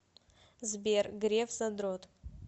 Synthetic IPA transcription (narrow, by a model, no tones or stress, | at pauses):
zbʲerɡɾʲevzad̪ɾotʼ